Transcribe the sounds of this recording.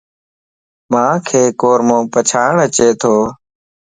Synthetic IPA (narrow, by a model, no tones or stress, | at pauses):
mãːkʰeːkoːɾmõːpət͡ʃʰaːɳət͡ʃeːt̪ʰoː